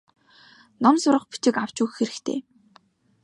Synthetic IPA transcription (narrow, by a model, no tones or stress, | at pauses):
nɔmsʊɾə̆χpi̥t͡ɕɪ̆kaw̥t͡ɕʊːxxeɾɘ̆kt̪ʰḛː